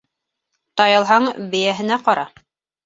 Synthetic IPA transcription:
t̪ɑjɤ̆lˠɦɑɴbɘ̆jæɦɘ̆næqɑɾɑ

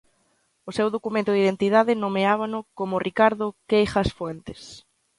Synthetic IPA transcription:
ʊsewðokumẽnt̪ʊðiðent̪iðaðɪnomeaβ̞anʊkomʊrʔikaɾðʊkejχasfwent̪ɪ̥s

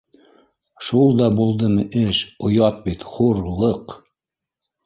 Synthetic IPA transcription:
ʃulˠd̪ɑbulˠd̪ɤmɤʔɘʃŏjɑt̪̚bit̪χuɾlˠɤq

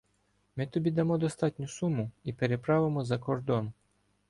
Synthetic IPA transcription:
mɪt̪ɔbʲid̪ɐmɔd̪ɔst̪ɑt̪ʲnʲʊsumːʊipeɾepɾɑʋemɔzɐkɔrd̪ɔn

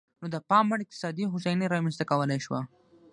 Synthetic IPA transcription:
nod̪əpɑmːaɽɪq̚t̪ɪ̥sɑd̪iɦʊsajniɾɑmɛnst̪akawəlajʃwa

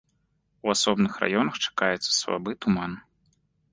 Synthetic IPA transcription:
uasɔbnɨxra̰jɔnɐxt͡ʂḁkajɛt̪sːɐ̥sva̰bɨt̪uman

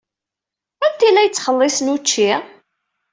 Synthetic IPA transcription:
ænt̪ilːæjət͡sːχəlːɪsnut͡ʃːi

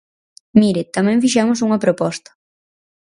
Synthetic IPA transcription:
miɾɪt̪amɛ̃ɱfiʃɛmʊs̬uŋɐpɾopɔst̪ɐ̥

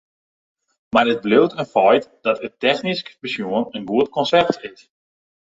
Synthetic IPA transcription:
marət̚blɪwtənfɔjtd̥ɔtətɛxniskə̥pəsjuənənɡuətkɔnsɛrtʰɪs

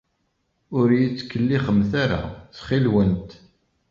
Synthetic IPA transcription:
ʊɾjit͡sːkːəlːiχəmθaɾa̰θχilwənt̪

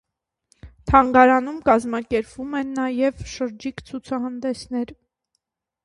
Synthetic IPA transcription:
t̪ʰɑŋɡɑɾɑnumkɑzmɑkɛɾpvumɛnːɑjɛvʃəɾd͡ʒikt͡sʰut͡sʰɑɦɑnd̪ɛsnɛɾ

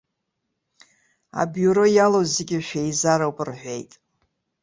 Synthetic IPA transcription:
a̰bjuɾo̞jalozeɡʲɪʃᶣejzaɾawpʼɨrħʷejtʼ

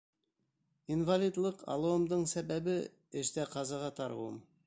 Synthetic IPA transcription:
invalʲid̪lˠɤqʰɑ̰lˠŭwɤ̆md̪ɤɴsæbæβɘ | ɘ̆ʃt̪æqɑzɑʁɑt̪ɑɾʁṵm

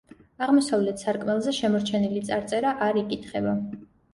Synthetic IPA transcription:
aʁmɔsavlɛt̪ʰsaɾkʼmɛlˠzɛʃɛmɔɾt͡ʃʰɛnilit̪sʼaɾt̪sʼɛɾaʔaɾikʼit̪ʰχɛba

